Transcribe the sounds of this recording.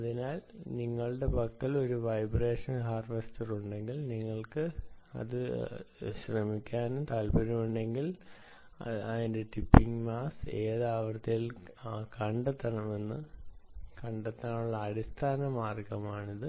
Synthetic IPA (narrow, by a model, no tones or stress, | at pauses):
ɐðinaːlniŋːɐɭɨɽe̞pɐkt̪ːilo̞ɾuʋɐjbreːʂɐnɦaːrʋestɐruɳɖe̞ŋɡilniŋːɐɭkɨɐ̰ðɨ | ɕrɐmikʲːaːnumt̪ɐlpɐɾumuɳɖe̞ŋɡil | ɐðinde̞ʈipːiŋmaːse̞ːðaːʋɐrt̪ːɐjil | kɐɳɖɐt̪ːɐɳɐme̞nːɨ | kɐɳɖɐt̪ːaɳɐɳuɭːɐːɽist̪ʰaːnɐmaːrkɐmaːɳiðɨ